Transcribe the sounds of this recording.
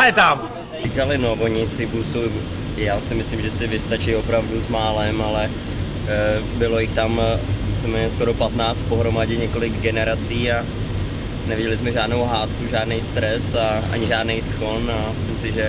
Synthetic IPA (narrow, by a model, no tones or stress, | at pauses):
ɛt̪am | ikalɪnovo̞ɲɪsɪbusow | jaːsɪmɪslimʒɛsɪvɪst̪at͡ʃɪjo̞pɾavduzmaːlɛmalɛ | bɪlo̞jɪxt̪amvit͡sɛmɛːɲɛskoɾo̞pat̪naːt͡st̪̚po̞ɦɾo̞maɟɛɲɛko̞lɪɡɡɛnɛɾat͡siːa | nɛvɪɟɛlɪsmɛʒaːdnowɦaːt̪kuʒaːdnɛjst̪ɾɛsaʔa̰ɲɪʒaːdnɛjsxo̞namɪslɪmsɪʒɛ